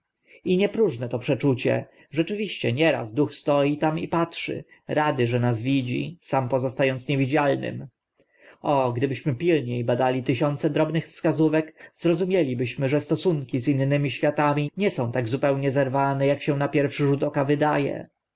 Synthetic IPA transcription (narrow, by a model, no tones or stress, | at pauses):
iɲɛpɾuʐnɛt̪ɔpʂɛt͡ʂut͡ɕɛ̰ | ʐɛt͡ʂɘvʲiɕt͡ɕɛ̰ɲɛɾa̰zd̪uxst̪ɔjit̪amipatʂɘ̰ɾad̪ɘʐɛnazvʲid͡ʑḭsampɔzɔst̪ajɔnt̪sɲevʲid͡ʑalnɘ̰m | ɔɡd̪ɘbɘɕmɘpʲilɲejbad̪alʲit̪ɘɕɔnt̪sɛd̪ɾɔbnɘxfskazuvɛkz̥ɾɔzumʲjɛlʲibɘɕmɘʐɛst̪ɔsuŋkʲizinːɘmʲiɕfʲjat̪amʲiɲɛsɔ̃w̃t̪aɡzupɛwɲɛzɛɾvanɛjakɕɛ̃napʲjɛɾfʂɘʐud̪ɔkavɘd̪ajɛ̰